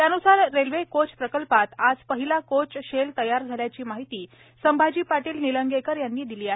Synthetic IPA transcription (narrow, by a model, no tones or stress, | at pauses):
t̪janusaɾːelʋekot͡spɾəkəlpat̪ad͡zpəɦilakot͡sɕelt̪əjaɾd͡zʱaljat͡ɕiːmaɦit̪iː | səmbʱad͡ʑiːpaʈiːlniləŋɡekəɾjanːiːd̪iliːaɦe